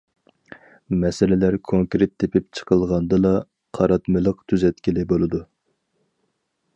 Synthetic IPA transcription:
mɛsɪlɪlæɾkʰoŋkɾɪt̪ʰːepʰɪp̚t͡ʃʰə̥qʰəlˠʁɑnd̪ɨlˠɑ | qʰɑɾɑt̪mɨlˠəqt̪ʰyzɛt̪kʲilɪbolˠɨd̪u

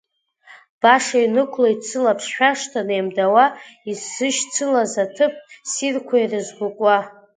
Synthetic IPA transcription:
b̥aʂainɨkʷʰloit͡sʰɨlapʰʂħʷᶣaʂtʰanejmdawaisːɨʃt͡sʰɨlazatʰɨp̚ʰsirkʷʰairɨzɡʷʊkʷʼa

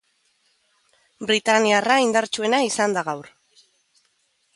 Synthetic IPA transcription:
bɾit̪aniaraind̪aɾt͡ʃue̞naisand̪aɣawɾ

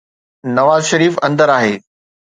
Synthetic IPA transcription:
nɐʋaːzʃɐɾiːfɐ̃nd̪əɾaːɦeː

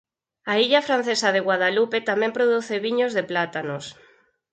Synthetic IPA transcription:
aiʎafɾan̟θesaðeɣwaðalupet̪amɛ̃mpɾoð̞uθeβiɲozðeplat̪anos

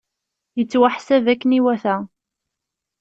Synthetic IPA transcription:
jət͡sːwaħsævækːəniwæθæ

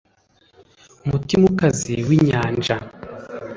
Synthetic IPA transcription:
umutimukaziwiɲaːnd͡ʒa

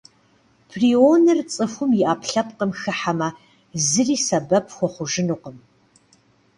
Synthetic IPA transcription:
pʰriːonɨrt͡sʼɨfʷʊmjɪʔaːpʰɬɐp̚qəmxɨħamɐ | zɨriːsɐbɐpʰxʷɔχʷʊʒɨnuːqəm

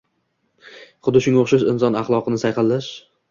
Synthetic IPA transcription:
χʊd̪ːɪʃʊŋoχʃaʃɪnsɒnɑχlˠɒqʰɨnɪsajqɑlːaʃ

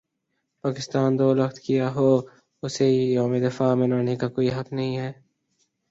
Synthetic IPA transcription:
paːkɪst̪aːnd̪oːlɐxt̪kijaɦoː | ʊsejoːmed̪ɪfaːmɐnaːnekakoːiɦɐknɐɦĩɦɛː

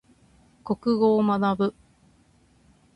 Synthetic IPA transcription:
ko̞kɯ̟ɡo̞ːmanabɯ̟

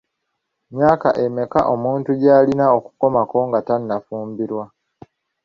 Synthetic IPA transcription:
mjaːkaʔe̞me̞ka̰ʔo̞muːntuɟaːlinao̞ku̥ko̞mako̞ŋɡatanːafuːmbiɾwa

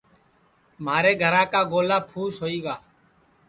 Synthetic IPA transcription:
maːɾeːɡʱəɾãːkaːɡoːlaːpʰuːsɦoːiːɡaː

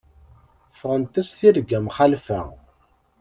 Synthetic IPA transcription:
fəʁənt̪æsθiɾɡæmχalfæ̰

